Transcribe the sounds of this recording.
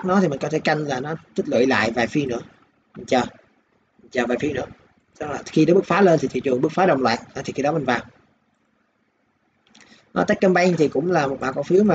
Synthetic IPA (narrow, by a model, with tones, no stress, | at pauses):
nɔ˨˦t̪i˨˩ï˨˩ŋ̟kɔ˨˦t̪ʰe˧˩ka˧jŋ̟laː˨˩nɔ˨˦t̪ʰi˦˥t̚lwə̰˧˨jla̰ː˧˨jvaː˨˩jfi˧ənɨ̰˧˥ə | mi˨˩ŋ̟t͡ɕəː˨˩ | mi̟˨˩t͡ɕəː˨˩vaː˨˩jfi˧wnɨ̰˧˥ə | sɔ˧laː˨˩xi˧ɗɔː˨˦ɓɨ˦˥t̚faː˨˦leː˧nt̪i˨˩t̪i˧˨˩t͡ɕɨ˨˩ŋɓɨ˦˥t̚faː˨˦ɗə˨˩wŋ͡mlwa̰ː˧˨ja˨˦t̪ʰi˨˩xi˧ɗɔ˨˦mï˨˩ŋ̟vaː˨˩w | ʔɔ˨˦t̪k̚kə˧mɓa˧jt̪ʰi˨˩kʊ̰˧˥ŋ͡mlaː˨˩mo˨˩t̚ɓaː˨˩kɔ˧˨˦fi˨˦əwmaː˨˩